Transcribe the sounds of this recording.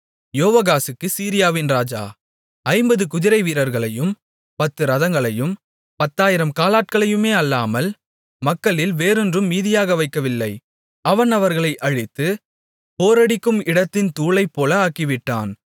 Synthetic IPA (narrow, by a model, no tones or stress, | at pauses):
joːʋɐɣaːsɯkːɯsiːɾɪjaːʋɪnɾaːd͡ʒa̰ː | ɐɪmbɐðɯkʊðɪɾɐɪʋiːɾɐɾɣɐɭɐjɯm | pɐt̪ːɯɾɐðɐŋɡɐɭɐjɯm | pɐt̪ːaːjɪɾɐmkaːlaːʈ̚kɐɭɐjɯmeːɐlːaːmɐl | mɐkːɐɭɪlʋeːɾɯndrɯmːiːðɪjaːɣɐʋɐɪkːɐʋɪlːɐɪ | ɐʋɐnɐʋɐɾɣɐɭɐɪʔɐɻɪt̪ːɯ | poːɾɐɽɪkːɯmɪɽɐt̪ːɪnt̪uːɭɐɪpːoːlɐaːkiʋɪʈːa̰ːn